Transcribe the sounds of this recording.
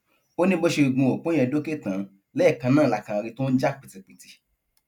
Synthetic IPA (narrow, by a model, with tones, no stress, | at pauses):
o˦nĩ˦bo˦ʃe˧˨ɡ͡bũ˧o˨k͡põ˨˦ɛ̃˧do˦ke˦˨tã˨˦ | lɛ˦˨kã˧nãː˦˨la˨kã˨˧ɾĩ˧to˦n̩˦d͡ʒa˦k͡pi˨ti˧k͡pi˨ti˧